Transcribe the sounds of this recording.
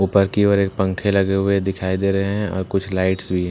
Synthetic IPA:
uːpəɾkiɔːɾeːk̚pɐ̃ŋkʰelɐɡeɦʊed̪ɪkʰaːid̪eːɾɐɦeɦɦɛ̃ɔ̰ːɾkʊt͡ʃʰlaːɪʈsbʱiɦɛ̃

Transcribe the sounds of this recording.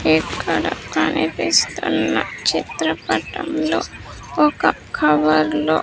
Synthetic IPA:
eːkːɐɽɐpɐnipeːst̪unːɐt͡ʃit̪ɾɐpɐʈɐmloːɔkɐ | kʰɐʋɐɾlo̰ː

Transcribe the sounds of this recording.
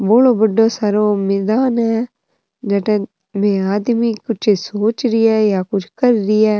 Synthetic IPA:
boːloːbəɖoːsaːɾoːmɪːd̪aːnɦɛː | d͡ʒɛːʈɛ̃ː | mẽːaːd̪miːkʊt͡ʃʰsoːt͡ʃɾɪɛːjaːkʊt͡ʃʰkəɾɾɪɛː

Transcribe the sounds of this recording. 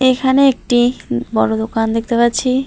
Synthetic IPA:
ekʰaneek̚ʈibɔɽod̪okand̪ek̚ʰt̪epaɾɕʰi

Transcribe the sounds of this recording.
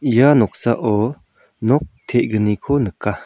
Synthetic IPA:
ʔijanɔk̚saʔɔ | nɔk̚t̪ʰɛʔ̚ɡənikʰɔnəka

